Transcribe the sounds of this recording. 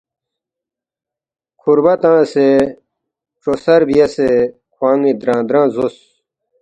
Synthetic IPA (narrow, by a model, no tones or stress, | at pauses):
kʰuɾbɐt̪ãːse | ʈ͡ʂosɐɾbijɐse | kʰwãːŋĩd̪ɾãːd̪ɾãːzos